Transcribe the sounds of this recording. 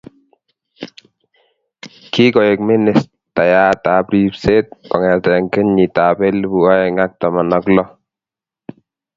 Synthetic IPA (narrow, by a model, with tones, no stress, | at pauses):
ki˦kɔ˨je˨k̚me˦ne˨s | ta˨jaː˦ta˨pɾi˦pse˦t̚ɔ̰˨ŋɛ˨tɛŋke˦ɲɲi˨ta˨be˦lbu˨a˦jɛ˨ŋa˦k̚tɔ˨mɔ˨nɔ˦klɔ˦